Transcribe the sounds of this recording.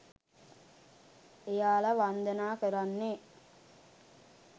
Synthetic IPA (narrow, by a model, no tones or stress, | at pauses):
ejaːlɐʋand̪ənaːkəɾanːe